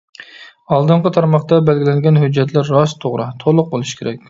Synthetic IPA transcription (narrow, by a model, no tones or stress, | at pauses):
ɑlˠd̪ɨɴqət̪ʰɑɾmɑχt̪ɑbɛlɡʲilɛnɡʲɛnɦyd͡ʒːɛt̪læɾːɑst̪ʰoʁɾɨt̪ʰolˠʊq̚bolˠuʃkʲʰeɾɛkʲ